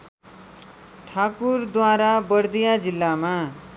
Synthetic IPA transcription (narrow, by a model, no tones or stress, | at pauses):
ʈʰakurd̪waɾabʌrd̪ijad͡zilːama